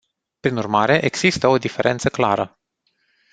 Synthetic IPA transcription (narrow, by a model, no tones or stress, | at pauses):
pɾinurmaɾe̞ʔeɡz̥ist̪əo̞d̪ife̞ɾʔe̞nt̪səkla̰ɾə